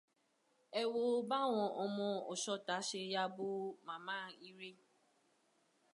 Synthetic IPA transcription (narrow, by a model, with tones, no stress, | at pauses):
ɛ˨wo˦ba˦w̃ɔ̃˨ʔɔ˨mɔ̃˧ɔ˨ʃɔ˦ta˨˦ʃe˧ja˧bo˦mã˨mãː˦˨i˦ɾe˦